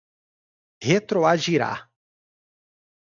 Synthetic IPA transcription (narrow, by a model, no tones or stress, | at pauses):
het̪ɾoaʒiɾa̰